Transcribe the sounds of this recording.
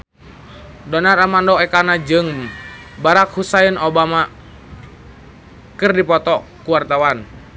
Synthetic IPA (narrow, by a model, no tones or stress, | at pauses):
dɔnaramandɔɛkanad͡ʒɨŋ | baɾakhusainɔbama | kɨrdipɔt̪ɔkuwart̪awan